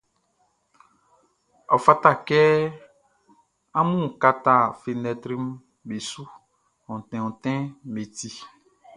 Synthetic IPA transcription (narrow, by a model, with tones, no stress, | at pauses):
ɔ˨fa˦ta˦˨kɛ˦ | ã˦mũ˦˨ka˦ta˦˨fi˨nɛ˨tɾi˦m | be˨su˦ | ɔ̃˨tɛ̃˨ɔ̃˨tɛ̃˦me˨ti˦